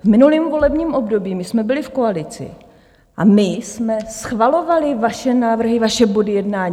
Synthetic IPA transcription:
vmɪnuliːmvo̞lɛbɲiːmʔo̞bdo̞biːmɪsmɛbɪlɪfkoalɪt͡sɪ̰ | ʔamɪsmɛsxvalo̞valɪvaʃɛnaːvr̩ɦɪvaʃɛbodɪjɛdnaːɲ

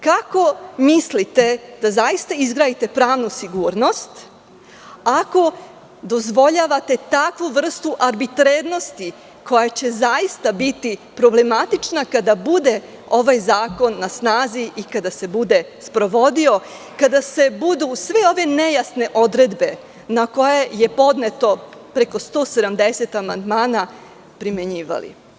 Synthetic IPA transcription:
kako̞mislit̪e̞d̪̥azajist̪aizɡɾaːjit̪e̞pɾaːʋnusiɡuːɾno̞st̪ | ako̞ | d̪o̞zʋo̞ʎaːʋat̪e̞t̪akʋuʋr̩st̪uʔaɾbit̪ɾeːɾno̞st̪i | ko̞jat͡ɕe̞zajist̪abit̪ipɾo̞ble̞mat̪it͡ʃnakad̪abud̪e̞ | o̞ʋajzaːko̞nːasnaːziʔikad̪ase̞bud̪e̞ | spɾo̞ʋo̞d̪io̞ | kad̪ase̞bud̪usʋeo̞ʋe̞nejasne̞ʔo̞d̪ɾe̞d̪be̞ | nako̞jeje̞po̞d̪ne̞t̪o̞pɾe̞ko̞st̪o̞ːse̞d̪amd̪eset̪amand̪maːna | pɾimeɲiːʋa̰lḭ

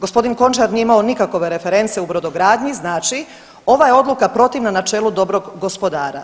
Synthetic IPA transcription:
ɡospo̞d̪inko̞nt͡ʃaɾnijeimao̞nikako̞ʋe̞ɾe̞fe̞ɾe̞nt̪seubɾod̪o̞ɡɾaːd̪ɲiznaːt͡ʃi | o̞ʋajeo̞d̪lukapɾo̞t̪iʋnanat͡ʃeːlˠud̪o̞bɾo̞ɡɡo̞spo̞d̪aːɾa

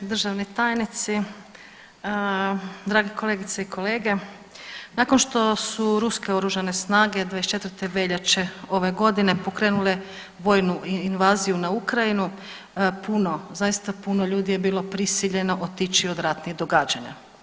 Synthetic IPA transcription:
d̪r̩ʒaʋnit̪aːjnit̪si | d̪ɾaːɡeko̞le̞ːɡit̪seikʰo̞le̞ːɡe̞ | nakonʃt̪o̞suɾuske̞o̞ɾuʒane̞snaːɡe̞d̪ʋajest͡ʃe̞t̪vəɾt̪e̞ʋe̞ʎat͡ʃe̞o̞ʋe̞ɡo̞d̪ine̞po̞kɾenule | ʋo̞jnuinʋaːzijunaukɾainu | puno̞zajist̪apunoʎuːd̪ije̞biːlo̞pɾisiʎe̞no̞ʔot̪it͡ʃio̞d̪ɾat̪niɣd̪o̞ɡaːd͡ʒaɲa̰

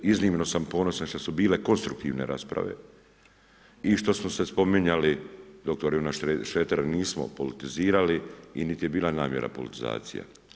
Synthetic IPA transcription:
izniːmno̞sampo̞no̞sanʃt̪osubiːle̞ko̞nst̪ɾukt̪ḭːʋne̞̰ɾa̰ːspɾa̰ʋe̞̰ | iʃt̪o̞smose̞spo̞miɲalid̪o̞k̚t̪oɾjunaʃʃeːt̪aɾaniːsmo̰polit̪iziːɾaliinit̪ije̞biːlˠanaːmje̞ɾʔa̰polit̪iza̰ːt̪sḭja̰

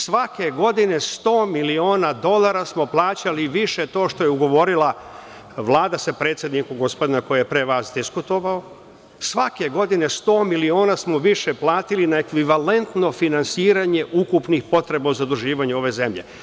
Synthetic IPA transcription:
sʋake̞ɡo̞d̪ine̞st̪o̞ːmilio̞ːnad̪o̞lˠaɾasmo̞plˠaːt͡ɕaliʋiʃe̞t̪o̞ːʃt̪o̞jeuɡo̞ʋo̞ɾilˠa | ʋlˠaːd̪asapɾet̪sʲje̞d̪nikuɡospo̞d̪inakojijepɾe̞ʋasd̪iskut̪o̞ʋao | sʋake̞ɡo̞d̪ine̞st̪o̞ːmilioːnasmo̞ʋiʃe̞plˠaːt̪ilinae̞kʋiʋale̞nt̪no̞finansiːɾaɲe̞ʔukupnixpo̞t̪ɾe̞bauzad̪uʒiːʋaɲeo̞ʋe̞ze̞mʎe̞̰

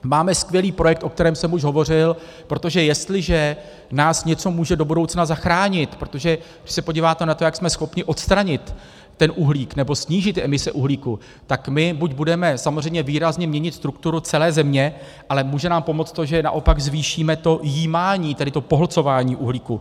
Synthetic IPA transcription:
maːmɛskvjɛliːpɾo̞jɛk̚t̪ʔo̞k̚t̪ɛɾɛːmsɛmuʃɦo̞vo̞r̝ɪl | pɾo̞t̪o̞ʒɛjɛst̪lɪʒɛ | naːsɲɛt͡so̞muːʒɛdo̞budo̞wt͡snazaxɾaːɲɪt̪pɾot̪o̞ʒɛɡdɪ̥ʃsɛpo̞ɟiːvaːt̪ɛnat̪o̞jaksmɛsxo̞pɲɪʔo̞t̪st̪ɾaɲɪt̪ː | ɛnʔuɦliːknɛbo̞sɲiːʒɪt̪ɛmɪsɛʔuɦliːku | t̪akmɪbucbudɛmɛsamozr̝ɛjmɲɛviːɾazɲɛmɲɛɲɪt̪st̪ɾuk̚t̪uɾut͡sɛlɛːzɛmɲɛ | ʔalɛmuːʒɛnaːmpo̞mo̞t͡st̪o̞ʒɛna̰ʔo̞paɡzviːʃiːmɛt̪o̞jiːmaːɲiːt̪ɛdɪt̪o̞poɦlt͡so̞vaːɲiːʔuɦliːku

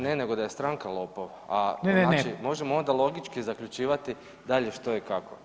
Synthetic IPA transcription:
ne̞ne̞ɡo̞d̪aje̞st̪ɾaːŋkalˠo̞ːpoʋaaat͡ʃimo̞ʒe̞moo̞nd̪alˠo̞ɡit͡ʃkizakʎut͡ʃiːʋat̪i | d̪aʎe̞ʃt̪o̞ikako

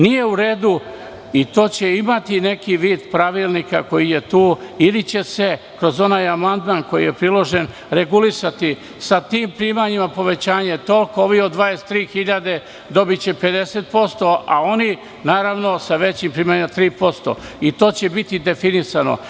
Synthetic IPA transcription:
nije̞uɾe̞ːd̪u | it̪o̞ːt͡ɕe̞imat̪ine̞kiʋiːd̪pɾaʋilˠnika̰ko̞jije̞t̪uːilit͡ɕe̞se̞ | kɾo̞zo̞najamand̪maːnko̞jḭje̞pɾilo̞ʒen | ɾe̞ɡulisat̪i | sat̪iːmpɾiːmaɲimapo̞ʋe̞t͡ɕaːɲe̞t̪o̞lkooʋiod̪ʋaest̪ɾiːxiʎad̪e̞ | d̪o̞bit͡ɕe̞pe̞d̪e̞set̪̚po̞st̪o̞ʔa̰o̞ni | naːɾaʋno̞saʋe̞t͡ɕimpɾiːmaɲimat̪ɾiːpo̞st̪o̞̰it̪o̞ːt͡ɕe̞bit̪id̪e̞finisano̰

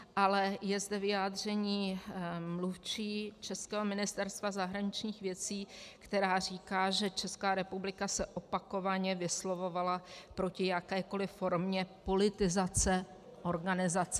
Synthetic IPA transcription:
ʔalɛjɛzdɛvɪjaːd̪r̝ɛɲiːmluft͡ʃiːt͡ʃɛskɛːɦo̞mɪnɪst̪ɛɾst̪vazaɦɾaɲɪt͡ʃɲiːxvjɛt͡siːkt̪ɛɾaːr̝iːkaːʒɛt͡ʃɛskaːɾɛpublɪkasɛʔo̞pako̞vaɲɛvɪslo̞vo̞valapɾo̞cɪjakɛːko̞lɪfːo̞ɾmɲɛpo̞lɪt̪ɪzat͡sɛ | ʔo̞ɾɡanɪzat͡sɛ

